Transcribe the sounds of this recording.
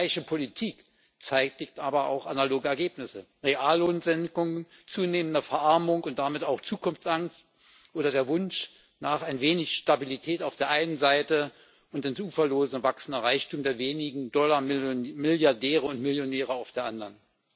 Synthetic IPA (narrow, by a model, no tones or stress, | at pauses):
aɪçəpʰolitʰiːk | t͡saɪtɪk̚tʔaːbɐa̰ʊxanaloːɡəɛɐɡeːpnɪsəʁeʔaːlːoːnn̩zɛnkʊŋən | t͡suːneːməndɐfɛɐʔaɐmʊŋʊnt̚d̥amɪtaʊxt͡suːkʰʊnft͡sʔaŋst̚ | ʔoːɾɐdeːɐvʊnʃ | naːχaɪnveːnɪçʃtabilitʰɛːtaʊfd̥eːɐʔaɪnənzaɪtə | ʊntɪnsʔuːfɐloːzn̩vaksn̩dɐʁaɪçtuːmdeːɐveːnɪɡŋ̩dɔlɐmɪljaɐdɛːʁəʊntmɪljonɛːʁəaʊfd̥eːɐʔandɐʁn